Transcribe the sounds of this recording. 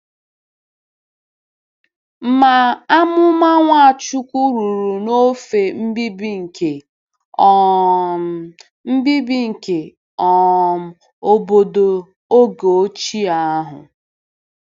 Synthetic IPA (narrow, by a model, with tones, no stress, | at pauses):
m̩˦ma˨a˦mʊ˦ma˦ŋʷa˦a˨t͡ʃu˦kʷu˦ɾu˨ɾu˨no˦fe˨m̩˦bi˦bi˦ŋ̩˨ke˨ | ɔ˦˨˦ | m̩˦bi˦bi˦ŋ̩˨ke˨ | ɔ˨ | o˦bo˦do˨ | o˦ɡo˨o˦t͡ʃi˦a˨a˦ɦʊ̰˨